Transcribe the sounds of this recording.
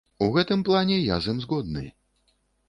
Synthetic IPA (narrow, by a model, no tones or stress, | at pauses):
uɣɛt̪ɨmplˠanʲɛja̰zɨmzɣɔd̪̚nɨ